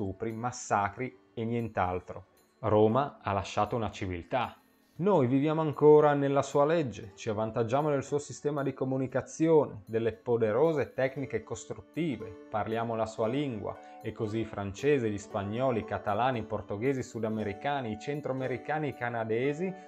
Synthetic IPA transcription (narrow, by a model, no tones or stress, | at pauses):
uːpɾimasːaːkɾi | enjɛnt̪alt̪ɾo | ɾoːmaalːaʃːaːt̪ounat͡ʃivḭlt̪a | nojvivjaːmoaŋkoːɾanelːasuːalɛd͡ʒːet͡ʃiavːant̪ad͡ʒːaːmonelsuːosist̪ɛːmad̪ikomunikat̪sːjoːned̪elːepod̪eɾoːzet̪ɛknikekost̪ɾut̪ːiːveparljaːmolasuːaliŋɡwa̰ | ekːoziːfɾant͡ʃeːzeʎispaɲːɔːlikat̪alaːniport̪oɡeːzisud̪ameɾikaːniːt͡ʃɛnt̪ɾoameɾikaːnikanad̪eːzi